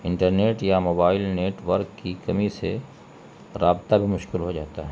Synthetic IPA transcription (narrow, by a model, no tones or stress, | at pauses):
ɪ̃ɳʈəɾneːʈjamoːbaːɪlneːʈʋəɾkːikɐmise | ɾaːbt̪abʱimʊʃkɪlɦod͡ʒaːt̪aɦɛ